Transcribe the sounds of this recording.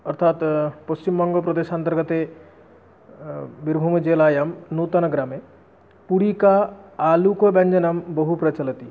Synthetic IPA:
ɔɾt̪ʰat̪post͡ʃimbɔŋɡopɾɔd̪eʃant̪əɾɡət̪e | biɾbʱumd͡ʒelaːjɐmnuːt̪anɐɡɾame | puɽikaaːlukobɛɲd͡ʒənɐmbɔɦupɾɐt͡ʃɐlət̪i

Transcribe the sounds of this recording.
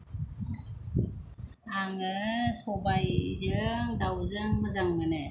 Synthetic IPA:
aŋɯsɔbajzɯŋdawzɯŋməzaŋmnɯ

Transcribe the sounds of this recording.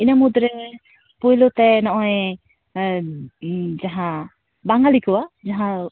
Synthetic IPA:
inamud̪ɾɛ | pujlot̪ɛnɔʔɔj | d͡ʒaɦã | baŋalikɯwad͡ʒaɦã

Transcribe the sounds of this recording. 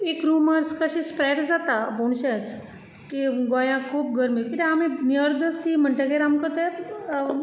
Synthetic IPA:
ekɾuməɾskəɕispɾɛɽd͡zat̪aboɳ̃ɕet͡s | kiɡojãkʰuːp̚ɡəɾmikit̪ẽaminiəɾd̪ʱəsim̤əɳʈeɡeɾamkət̪e

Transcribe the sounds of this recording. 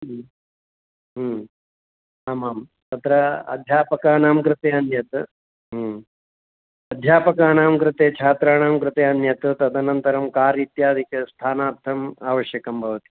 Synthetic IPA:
ɦː | aːmaːm | t̪ɐt̪ɾɐɐ̰d̪ʱjaːpɐkaːnaːmkɾɪt̪eːɐnjɐt̪ɐ | ɦ | ɐd̪ʱjaːpɐkaːɳaːmkɾɪt̪eːt͡ʃʰaːt̪ɾaːɳaːmkɾɪt̪eːɐnjɐt̪ut̪ɐd̪ɐnɐnt̪ɐɾɐmkaːɾit̪jaːd̪ʱikjɐst̪ʰaːnaːɾt̪ʰːɐmaːʋɐʃjɐkɐmbʱɐʋɐt̪i̥

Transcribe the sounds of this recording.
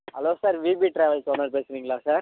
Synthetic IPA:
ɦɐloːsaːɾʋiːbiːʈɾeːʋɐlsɔnːɐɽpeːsɪɾiːŋɡɐɭãːsaːɾ

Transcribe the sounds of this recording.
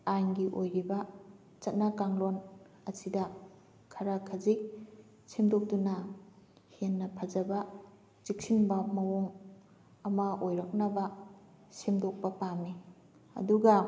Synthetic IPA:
aŋɡiʔojɾibɐ | t͡ʃɐt̚nakaŋlon | ɐsidɐ | kʰɐɾakʰɐzik̚ | simdok̚dunɐ | henːɐpʰɐd͡ʒɐbɐ | t͡ʃik̚sinbɐmɐwoŋ | ɐmɐojɾɐk̚nɐbɐ | simdok̚pɐpami | ɐ̰duɡɐ

